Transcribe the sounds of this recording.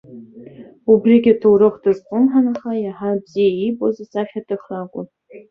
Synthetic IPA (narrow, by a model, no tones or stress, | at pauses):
ubriɡʲatʰowɾɨχʷdɨzqʷʼʊmħanaχajaħabz̥ijaibozasaχʲatʰɨχrakʷʼʊ̰n